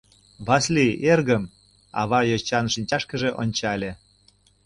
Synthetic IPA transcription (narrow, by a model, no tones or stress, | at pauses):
βɑslʲierɣəm | ɑ̰βɑjot͡ɕɑnʃinʲt͡ɕɑʃkə̆ʒeʔonʲt͡ɕɑlʲe